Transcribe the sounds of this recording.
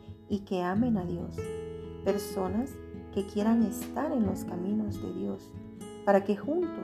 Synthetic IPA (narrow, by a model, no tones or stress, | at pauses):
ike̞ame̞naðjo̞̰spe̞ɾso̞naske̞kje̞ɾaŋe̞st̪aɾe̞nlo̞skamĩno̞zðe̞̰ðjo̞s | paɾake̞xunt̪